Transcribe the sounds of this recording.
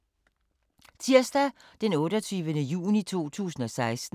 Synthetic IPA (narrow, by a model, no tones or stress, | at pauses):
t͡sʰiɐsd̥æ | d̥enɔ̽ːɾ̥ɒt͡sʰyːʋənəjṵːnit͡sʰo̝̰ːt͡sʰṵːsn̩ɒ̽sɑ̈ɪsd̥n̩